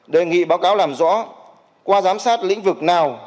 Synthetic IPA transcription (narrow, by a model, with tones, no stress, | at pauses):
ɗe˨˩ŋḭ˧˨ɓaː˨˦wkaː˨˦wlaː˨˩mzɔ̰˧˥ | kwaː˧zaː˨˦msaː˦˥t̚lḭ̈˧˥ŋ̟vɨ˨˩k̚naː˨˩w